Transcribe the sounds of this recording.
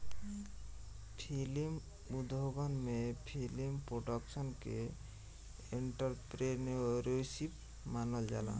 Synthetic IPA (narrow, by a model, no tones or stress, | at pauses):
pʰilim | ud̪ʱoɡɔnmẽpʰilimpɾoɖəksənkḛ | iɳʈəɾpɾenoɾosip | manəld͡ʒa̰la̰